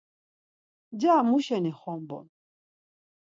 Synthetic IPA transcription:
d͡ʒaːmuʃanixɔmbɔ̰n

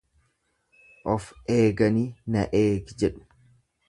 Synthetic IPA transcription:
ʔɔfʔeːɡɐniːnɐ̰ʔeːɡd͡ʒɛɗʊ̥

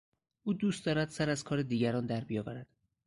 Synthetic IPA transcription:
ʔuːd̪uːst̪d̪ɒːɾæd̪̥sæɾæzkʰɒːɾed̪iːɟæɾɒːnd̪æɾbijɒːvæɾæd̪̥

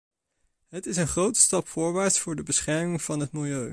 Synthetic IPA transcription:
ɦətɪsənχrowtə̥stɑpfʊːɹʋaːɹtsfʊːɹdəbəsχɛɹmɪŋv̥ɑnɦətmɪlˠjøɥ

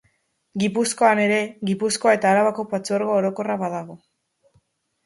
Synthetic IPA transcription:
ɡipusko̞ane̞ɾe̞ɣipuskoae̞t̪aːɾaβako̞pat͡soɾɣoːɾo̞ko̞raβaðaɣ̞o̞

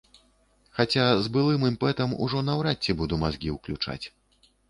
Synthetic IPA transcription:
xat͡sʲazbɨlˠɨmɨmpɛt̪ɐmṵʐɔnɐwɾatt͡sʲːɛbud̪umazɡʲiwklʲut͡ʂa̰t͡sʲ

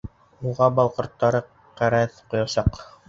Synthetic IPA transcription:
uʁɑbɑlˠqŏɾt̪ːɑɾɤ | qæɾæθqŏjɑsɑq

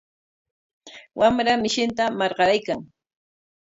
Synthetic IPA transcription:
wamɾamɪʃɪnt̪amɑɾɢɑɾajkaŋ

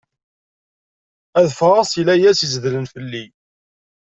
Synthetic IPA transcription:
æðfɾˤɑsˤilæjæsizðlənfəlːi

